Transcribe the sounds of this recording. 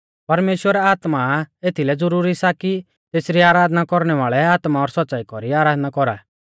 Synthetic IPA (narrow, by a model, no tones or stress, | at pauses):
pɐɾmeːʃwəɾɛaːt̪maeːt̪ʰilɛd͡zʊɾuːɾisaki | t̪eːsɾiaːɾaːd̪nakɔɾɽ̃ɛʋaːɭɛaːt̪maɔɾsɔtːsaːikɔɾiaːɾaːd̪nakɔɾa̰ː